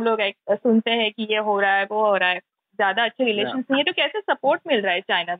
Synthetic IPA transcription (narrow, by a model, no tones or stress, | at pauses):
mloːɡeːk̚sʊnt̪eɦɛ̃kijeɦoːɾaaɛʋoɦoːɾaaːɛ | zjaːd̪aɐtːʃʰeɾɪleːʃə̃nsnẽɦĩet̪okɛːsesɐpoːɾʈ̚mɪlɾaaeɛt͡ʃaːɪna